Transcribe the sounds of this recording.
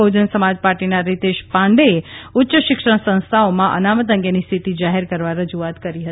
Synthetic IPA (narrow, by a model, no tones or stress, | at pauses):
od͡ʒənsəmad͡ʒpaɾʈinaɾit̪eʃpãɳɖeeʊtːʃəʃɪkʂəɳ̃sə̃ñst̪ʰaomãʔə̰namət̪̬ə̃ŋɡenist̪ʰit̪id͡ʒaɦeɾkəɾʋaɾəd͡ʒuat̪kəɾiɦət̪i